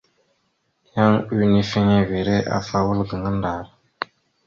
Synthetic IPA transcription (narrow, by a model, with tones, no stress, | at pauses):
ja˦ŋu˦ni˦fe˦ɲe˦ve˨ɾe˦ʔa̰˨fa˦wu˦lɡə˨ŋə˦nda˨ɾ